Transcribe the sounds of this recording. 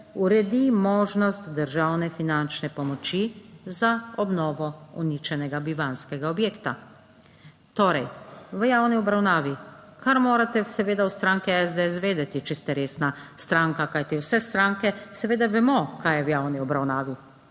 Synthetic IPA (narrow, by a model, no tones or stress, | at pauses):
uɾɛd̪imɔːʒnɔst̪d̪əɾʒawnɛfinant͡ʃnɛpɔmɔt͡ʃizaɔbnɔːʋɔṵnit͡ʃɛnɛɡabiʋanskɛɡaɔbjeːkt̪a | t̪oːɾɛjʋəjaːwniɔbɾawnaːʋikʰaɾmoːɾat̪ɛsɛʋeːd̪awst̪ɾaŋkɛɛzd̪eɛsʋeːd̪ɛt̪it͡ʃɛst̪ɛɾeːsnast̪ɾaːŋkakajt̪iwsɛst̪ɾaːŋkɛsɛʋeːd̪aʋɛmɔkajɛwjaːwniɔbɾawnaːʋi